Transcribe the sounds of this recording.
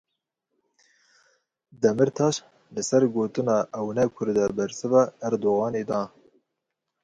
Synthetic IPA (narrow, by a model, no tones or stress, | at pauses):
d̪ɛmɨɾt̪ʰɑːʃ | lɨsɛɾɡoːt̪ɨnɑːʔɛwnɛkʷʰʊɾd̪ɛbɛɾsɨvɛhɛɾd̪oːɣɑːneːd̪ɑː